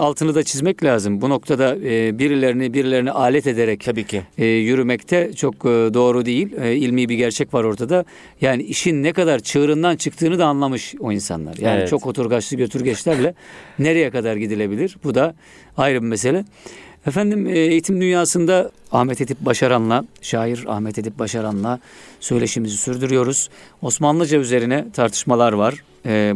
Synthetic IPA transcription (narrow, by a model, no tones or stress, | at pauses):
alˠt̪ʰɯnɯd̪at͡ʃʰizmɛclʲaːzɯmbuno̞kt̪ʰad̪abiɾilʲeɾinibiɾilʲe̞ɾiniʔaːlʲɛt̪e̞d̪e̞ɾɛcʰabiːjyɾymɛct̪ʰɛt͡ʃʰo̞k̚ːd̪o̞ːɾud̪e̞jilʲilʲmiːbiɟæɾt͡ʃʰɛcvaɾo̞ɾt̪ʰad̪a | jaːniiʃinːɛkad̪aɾt͡ʃʰɯːɾɯnd̪ant͡ʃʰɯk̚t̪ʰɯːnɯd̪aːnlˠamɯʃoinsa̰nlˠa̰ɾjaːnit͡ʃʰo̞khot̪ʰuɾɡaʃlˠɯɟøt̪ʰyɾɟɛt͡ʃlʲæɾlʲɛne̞ɾe̞jɛkad̪aɾɟid̪ilʲe̞bilʲiɾbud̪a | ajɾɯbimes̬e̞lʲɛ | ɛfænd̪imːejit̪ʰimd̪ynjaːsɯnd̪aahmɛt̪ʰe̞d̪ip̚baʃaɾanlˠaʃaːjiɾa̰hmɛt̪ʰe̞d̪ip̚baʃaɾanlˠasø̞jlʲe̞ʃimizisyɾd̪yɾyjo̞ɾuz̥o̞smanlˠɯd͡ʒayze̞ɾinɛt̪ʰaɾt̪ʰɯ̥ʃmalˠaɾvaɾ̥ː